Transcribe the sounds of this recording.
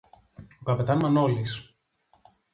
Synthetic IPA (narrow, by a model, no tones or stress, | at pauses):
okɐpet̪ɐnmɐnolis